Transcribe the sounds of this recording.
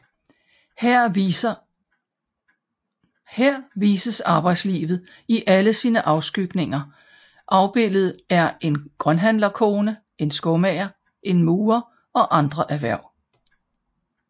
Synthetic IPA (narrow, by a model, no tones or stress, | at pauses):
heɐ̰ʋiːsəsɑ̈ːb̥ɑ̈ɪ̰d̥slḭːʋð̩ˠ | iʔæləsiːnəʔɑ̈ʊsɡ̥yɡ̥ne̝ŋɐ | ʔɑ̈ʊb̥e̝l̰ð̞̩ˠæɐe̝nɡ̥ʁɶnɦænlɐkʰo̝ːnə | e̝nsɡ̥ɔmɛɐ | ʔe̝nmuːɐ | ɒ̽ʔɑ̈nd̥ʁɐʔæʋæɐ̰